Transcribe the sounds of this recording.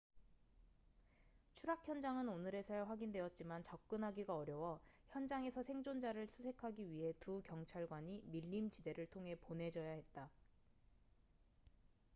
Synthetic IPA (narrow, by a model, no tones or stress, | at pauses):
t͡ɕʰuɾakʰjʌnd͡ʑaŋɯnonɯɾe̞sʰʌjaɸwaɡindwe̞ʌt̚t͡ɕ͈imant͡ɕʌk̚k͈ɯnɦaɡiɡaʌɾjʌwʌçjʌnd͡ʑaŋe̞sʰʌsʰe̞ŋd͡ʑond͡ʑaɾɯɭsʰusʰe̞kʰaɡiɥiɦe̞tukjʌŋt͡ɕʰaɭɡwaɲimiʎːimt͡ɕide̞ɾɯɭtʰoŋɦe̞ponɦe̞d͡ʑʌjaɦe̞t̚t͈a